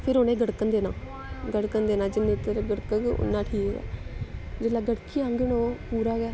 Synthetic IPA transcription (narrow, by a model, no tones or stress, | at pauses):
pʰɪɾoːnẽːɡəɽkənd̪eːnaː | ɡəɽkənd̪eːnãːd͡ʒɪnːẽːt̪əɾɡəɽkəkʊ̰nːãːʈʰiːkɡɛ̰ː | d͡ʒɪlaːɡəɽkiːãːŋɡəɳoːpuːɾaːɡɛː